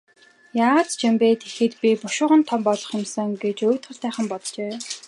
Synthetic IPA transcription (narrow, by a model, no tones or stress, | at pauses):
jaːʁat͡st͡ɕʰimpeːt̪ʰe̥xɘ̆t̪pʲipʊʃʊːʁə̆nt̪ʰɔmpɔɮɞ̥̆χɪ̆msə̆ŋɡet͡ɕoːt̪χə̆ɮt̪æːχə̆mpɔt̪t͡ɕeː